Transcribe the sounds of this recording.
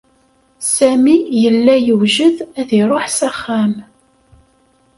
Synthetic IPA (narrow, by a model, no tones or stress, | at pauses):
sæmijəlːæjəwʒəðæðiɾˤoħsæχːæm